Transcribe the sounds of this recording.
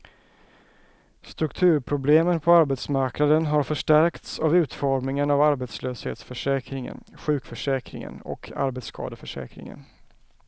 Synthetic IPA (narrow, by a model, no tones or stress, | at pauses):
st̪ɾɵkt̪ʰʉ̟ːɾpʰɾʊbleːmənpʰɔaɾbɛt̪smaɾknad̪ənɦaɾfœʂʈæɾkt̪savʉ̟ːt̪fɔɾmnɪŋənavaɾbɛt̪sløːshḛːt̪sfœʂɛːkɾɪŋə̰nɧʉ̟ːkfœʂɛːkɾɪ̰ŋə̰nɔ̰kʰa̰ɾbɛt̪skʰɑ̰ːd̪əfœʂɛ̰ːkɾɪ̰ŋə̰n